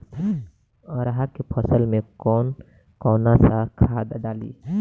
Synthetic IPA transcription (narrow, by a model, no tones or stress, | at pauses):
ɔːɾəɦakepʰəsəlmẽkɔːn | kɔːnasakʰaːd̪ɖaːlḭ